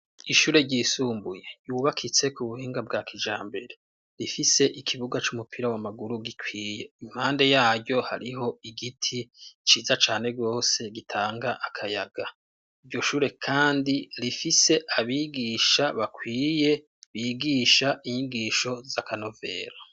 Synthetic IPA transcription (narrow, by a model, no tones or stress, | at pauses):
iʃuːɾe̞ɟiːsuːmbujejuːβakʰit͡se̞kuβuhiːŋɡabɡakʰid͡ʒaːmbe̞ɾe̞ | ɾifise̞ʔikʰiβuɡat͡ʃumupʰiɾawamaɡuɾuɡikwiːje̞im̥haːnde̞jaːɟɟo̞ha̰ɾiɦo̞iɡitʰit͡ʃiːzat͡ʃaːne̞ɡo̞ːse̞ɡitʰaːŋɡaʔakʰajaɡ̥a | ivɟo̞ʃuːɾe̞kʰaːndiɾifise̞ʔaβiːɡiːʃaβakwiːje̞ | βiːɡiːʃaʔiɲiɡiːʃo̞zakano̞ve̞̰ːɾo